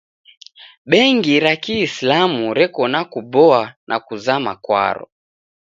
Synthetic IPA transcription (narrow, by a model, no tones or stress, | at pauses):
ɓɛŋɡiɾakiːslamuɾɛkɔnakubɔanʔakuzamakwa̰ɾɔ̰